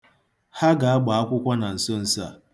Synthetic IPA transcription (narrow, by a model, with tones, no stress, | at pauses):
ha˦ɡa˨a˦ɡ͡ba˨a˦kʷʊ˦kʷa˦na˨n̩˨sʊ˦n̩˨sa̰˦˨